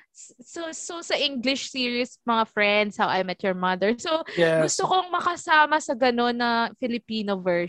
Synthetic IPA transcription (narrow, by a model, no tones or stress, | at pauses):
ssososɐʔiŋɡlɪʃsiːɹiʊsmɐŋafɹɛnd̪shawʔɐjmɐt̪jɔɹmɐd̪ɛɹsoɛɡʊst̪okoŋmɐkɐsaːmɐsɐɡɐno̞nːɐfɪlɪpiːnovɛ